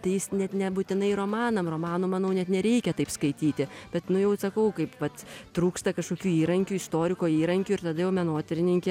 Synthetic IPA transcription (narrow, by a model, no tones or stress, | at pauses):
t̪ɐɪjɪsnʲɛt̪nʲɛbut̪ʲɪnɐɪroːmɑːnɐmroːmɑːnoːmɐnɐʊnʲɛt̪nʲɛɾʲɛɪkʲɛt̪ɐɪpskɐɪt̪ʲiːt̪ʲɪb̥ʲɛt̪nʊjɛʊsɐkɐʊkɐɪpʋɐt̪t̪ɾuːkst̪ɐkɐʃkoːkʲuːiːɾɐŋʲkʲuːɪst̪oːɾʲɪkoːiːɾɐŋʲkʲuːɪrt̪ɐd̪ɐjɛʊmʲɛnoːt̪ʲɪɾʲɪnʲɪŋʲkʲɛ